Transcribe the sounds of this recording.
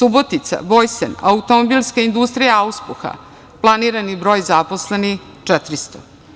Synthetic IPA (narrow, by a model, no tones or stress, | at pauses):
subo̞t̪it̪sa̰bo̞jsena̰ut̪omobilˠskaind̪ust̪ɾijaauspuxa̰ | plˠaniɾanibɾo̞ːjzapo̞slenix | t͡ʂɛt̪ɾist̪o